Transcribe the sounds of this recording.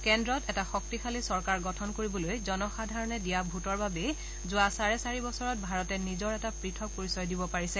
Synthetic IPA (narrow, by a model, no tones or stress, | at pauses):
kɛndɹɔtɛtaxɔk̚tixʰalisɔɹkaɹɡɔtʰɔnkoɹibɔlojzɔnɔxadʱaɹɔnɛdijabʱutɔɹbabɛ | zʊasaɹɛsaɹibɔsɔɹɔt̚bʱaɹɔtɛnizɔɹɛtapɹitʰɔk̚poɹisɔjdibɔpaɹisɛ